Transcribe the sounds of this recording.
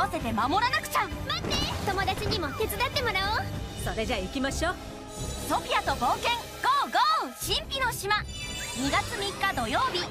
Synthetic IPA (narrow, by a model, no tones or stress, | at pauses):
ase̞t̪e̞mamo̞ɾanakɯ̟̥t͡ɕaɯmat̪ːet̪o̞mo̞d̪at͡ɕiɲ̟imo̞k̪e̞t͡sɨd̪at̪ːe̞mo̞ɾaoso̞ɾe̞d͡ʑaikʲimaɕoː | so̞pʲiat̪o̞bo̞ːkẽ̞ŋ | ɡ̥oːɡoːɕĩmpʲino̞ɕima | ɲ̟iɡat͡sɨmʲikːad̪o̞jo̞ːbʲi